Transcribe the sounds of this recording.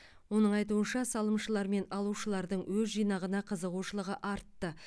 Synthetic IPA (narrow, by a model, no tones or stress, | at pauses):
wo̞nəɴɑjt̪̬uənʃɑsɑlˠəmʃəlˠɑɾme̞nɑlˠuʃəlˠɑɾd̪əɴwɵzʒijnɑʁənɑqʰəzəʁuʃəlˠəʁəʔɑɾt̪ːə